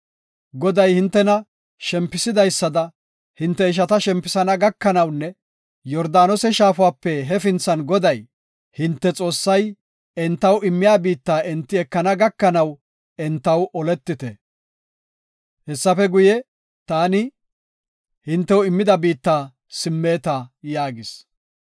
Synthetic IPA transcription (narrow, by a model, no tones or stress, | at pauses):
ɡɔd̪ɐjhɪnt̪ːɛnɐ | ʃɛmpːɪsɪd̪ɐjsːɐd̪ɐ | hɪnt̪ːɛɪʃ̬ɐt̪ɐʃɛmpːɪsɐnɐɡɐkːɐnɐwnːɛ | jɔɾd̪aːnɔsɛʃaːfʊaːpːɛɦɛfɪnt͡sːɐnɡɔd̪ɐj | hɪnt̪ːɛt͡sʼo̞ːsːɐj | ɛnt̪ːɐwɪmːɪjaːbiːt̪ːaːʔɪnt̪ːɪɛkːɐnɐɡɐkːɐnɐw | ɛnt̪ːɐwʔɔlɛt̪ːɪt̪ɛ̰ | hɛsːɐfɛɡʊjɛ | t̪aːnɪ | hɪnt̪ːɛwɪmːɪd̪ɐbiːt̪ːaː | sɪmːeːt̪ɐjaːɡɪs